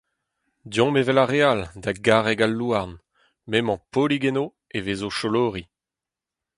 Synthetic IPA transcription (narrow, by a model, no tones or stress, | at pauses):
djɔ̃mevɛlaʁealdaɡaʁɛɡalːuaʁn | mɛmɑ̃poliɡɛno | eveːzoʃoloːʁi